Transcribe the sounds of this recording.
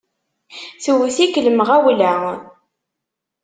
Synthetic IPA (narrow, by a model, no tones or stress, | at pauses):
θəwθikləməʁæwlæ